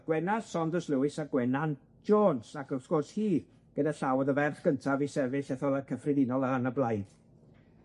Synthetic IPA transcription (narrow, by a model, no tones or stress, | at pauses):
ɡ̥wɛnasɔndəslˠuwɪsaɡwɛnan | d͡ʒoːnsakəsɡ̥ɔrshiːð | ɡ̥ədaɬawɔðəvɛrθɡ̥əntʰavisɛvɪɬɛθɔlˠəkʰəfrɪðɪnɔlˠəənəblˠajd̥